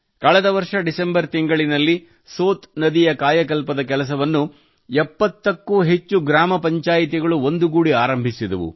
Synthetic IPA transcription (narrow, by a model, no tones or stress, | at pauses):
kɐɭɛd̪ɐʋɐɾʂɐɖisembɐɾt̪iŋɡɐɭinɐlːi | soːt̪nɐd̪ijɐkaːjɐk̬ɐlpɐd̪ɐk̬ɛlɐs̬ɐʋɐnːu | ɛpːɐt̪ːɐkːuɦet͡ʃːuɡɾaːmɐpɐɲt͡ʃaːjit̪̬iɡɐɭuo̞nd̪uɡuːɽiaːɾɐmbʱisid̪ɐ̰ʋṵ